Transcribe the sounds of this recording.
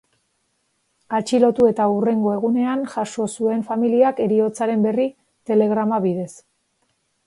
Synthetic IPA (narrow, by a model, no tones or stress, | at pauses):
at͡ʃilo̞t̪ue̞t̪aure̞ŋɡo̞e̞ɣune̞anʝaʃo̞sue̞ɱfamiliake̞ɾio̞t͡saɾe̞mbe̞ri | t̪e̞le̞ɣɾamaβiðe̞s